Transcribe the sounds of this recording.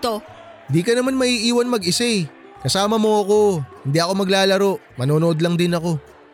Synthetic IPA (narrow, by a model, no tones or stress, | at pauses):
t̪o | hɪnd̪iːkɐnɐmanmɐʔiːʔiːwɐnmɐɡɪsɛj | kɐsaːmɐmoɐko̞hɪnd̪iʔɐko̞mɐɡlaːlɐɾo̞ʔ | mɐnoːnoʔo̞d̪lɐŋd̪ɪnɐko̞